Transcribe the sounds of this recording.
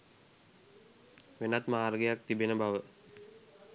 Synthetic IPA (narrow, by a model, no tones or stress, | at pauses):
ʋenat̪maɦːrəɡejak̚t̪ibenəbaʋə